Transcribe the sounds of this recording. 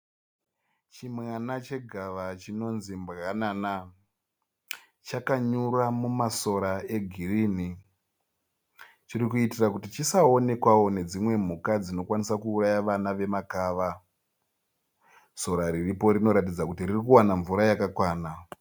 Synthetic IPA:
t͡ʃimwanat͡ʃe̞ɡʱaʋat͡ʃino̞nzimbɣanana | t͡ʃakaɲuramumaso̞ɾae̞ɡʱirini | t͡ʃirikuitirakutit͡ʃisaone̞kwawo̞ne̞d͡zimwe̞m̤ukad͡zino̞kwanisakuːrajaʋanaʋe̞makaːʋa | so̞ɾaɾiripo̞ɾino̞ɾat̬id͡zakutiririkuwanaɱvuɾajakakwaːna

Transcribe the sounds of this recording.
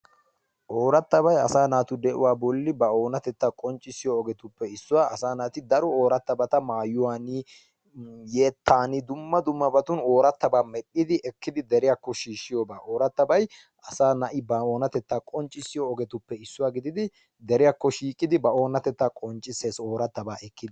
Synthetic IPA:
ʔoːɾɐt̪ːɐβɐjɐsaːnaːt̪ʊd̪ɛʔʊ̰waːbɔlːɪbɐoːnɐt̪ɛt̪ːakʼɔnt͡ʃʼːɪsɪjɔːɡɛt̪ʊpːɛɪsːʊwaːʔɐsaːnaːt̪ɪd̪ɐɾɔoːɾɐt̪ːɐbɐt̪ɐmaːjʊwaːnɪ | je̞ːt̪ːaːnɪd̪ʊmːɐd̪ʊmːɐbɐt̪ʊno̞ːɾɐt̪ːɐbaːmɛɗːɪd̪ɪʔɛkːɪd̪ɪd̪ɛɾɪjakːɔʃiːʃːɪjɔːbaːʔoːɾɐt̪ːɐbɐj | ʔɐsaːnɐʔɪbɐoːnɐt̪ɛt̪ːaːkʼɔnt͡ʃʼːɪsɪjɔːɡɛt̪ʊpːɛɪsːʊwaːɡɪd̪ɪd̪ɪ | d̪ɛɾɪjakːɔʃiːkʼːɪd̪ɪbɐo̞ːnɐt̪ɛt̪ːaːkʼɔnt͡ʃʼːɪseːso̞ːɾɐt̪ːɐbaːʔɛkːɪd̪

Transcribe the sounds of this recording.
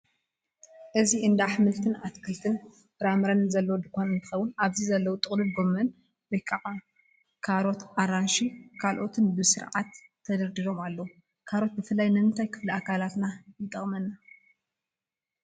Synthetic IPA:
ʔɨziʔɨnd̪aħmɨlt̪ʰɨnat̪kʰɨlt̪ʰɨn | ɾamɾɐnzɐlːɐwd̪ɨkonɨnt̪ʰɨ̥xɐwːʊnaβzizɐlːɐwut̪ʼɨχʼlɨlɡo̞mːɐn | wɐjkʼaʕa | kʰaɾo̞t̪ʔaɾanʃikʰalʔo̞t̪ʰɨnbɨsɨɾʕat̪ʰːɐd̪ɐɾd̪iɾo̞malːɐwu | kʰaɾo̞t̪̚bɨfɨlːajnɐmɨnt̪ʰajkʰɨ̥fliakʰalat̪najɪt̪ʼːɐχʼmɐnːa

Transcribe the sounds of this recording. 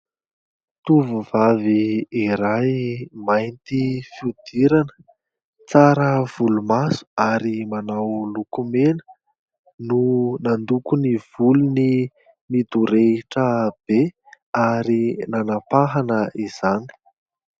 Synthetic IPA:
t̪uvuvaviːɾajmajnt̪ifiud̪̥iɾanə̥ | t͡saɾəv̥ulumasu̥aɾimanawlukumenə̥ | nunand̪ukuniv̥uluni | mid̪uɾeʈ͡ʂəb̥e | aɾinanapaɦanəʔiz̥ani̥

